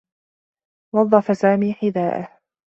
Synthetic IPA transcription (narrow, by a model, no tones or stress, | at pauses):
wɑðˤːɑfasaːmiːħɪðaːʔa